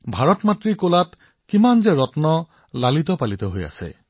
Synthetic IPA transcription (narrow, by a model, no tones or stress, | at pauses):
bʱaɹɔtmatɹikolat | kimanzɛɹɔtnɔ | lalit̪ɔpalitɔɦoja̰sɛ̰